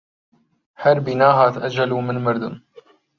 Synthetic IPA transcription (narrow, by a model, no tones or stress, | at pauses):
ħaɾbinaːɦat̪ʔad͡ʒalumɪnmaɾd̪ʊm